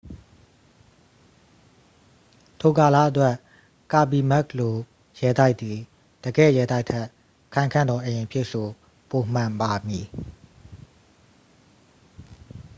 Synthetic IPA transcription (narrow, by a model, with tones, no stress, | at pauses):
tʰo˨ka˨la̰˦˨ʔətwɛ˦ʔ | ka˨bi˨mɛ˦klo˨ | jɛ˨t̪a˦ɪʔt̪ːi˨ | d̥əɡɛ̰˦˨jɛ˨t̪a˦ɪtʰɛ˦˨ʔ | kʰã˨ɪ̃ŋkʰã˦˨nd̪ɔ˨ʔə˨ẽ˨pʰɪ˦˨ʔso˨ | po˨m̥ã˨mpa˨mji˨